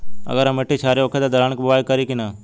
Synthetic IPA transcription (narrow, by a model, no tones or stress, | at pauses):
ə̰ɡəɾɦəmeʈiːt͡ʃʰaːɾeoːkʰeːd̪aːd̪ʱəɾaːɳəkbəʋaːjkəɾiːkɪnaː